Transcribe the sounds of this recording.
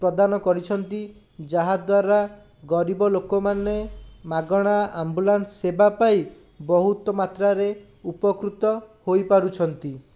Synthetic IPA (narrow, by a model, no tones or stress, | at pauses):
pɾɔd̪anɔkɔɾit͡ʃʰɔnt̪i | d͡ʒaɦad̪waɾa | ɡɔɾibɔlokɔmanemaɡɔɽ̃aambulansːebapai | bɔɦut̪ɔmat̪ɾaɾe | upɔkɾut̪ɔhojpaɾut͡ʃʰɔnt̪i